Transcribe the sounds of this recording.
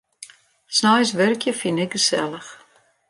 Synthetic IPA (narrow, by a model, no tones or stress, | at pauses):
snɑjsvərkjəfinɛkχəsæ̰ləχ